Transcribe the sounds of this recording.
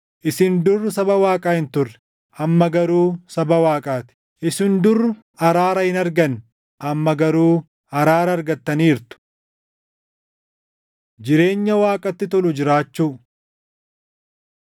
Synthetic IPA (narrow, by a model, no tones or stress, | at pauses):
ʔɪsɪnd̪ʊrːsɐbɐwaːkʼaːhɪnt̪ʊrːɛ̥ | ʔɐmːɐɡɐɾuːsɐbɐwaːkʼaːt̪ɪ̥ | ʔɪsɪnd̪ʊrːʊ | ɐɾaːɾɐhɪnɐɾɡɐn | ʔɐmːɐɡɐɾuː | ɐɾaːɾɐːɾɡɐt̪ːɐniːɾt̪ʊ̥ | d͡ʒɪɾe̞ːɲːɐwaːkʼɐt̪ːɪt̪ɔlʊd͡ʒɪɾaːt͡ʃːuː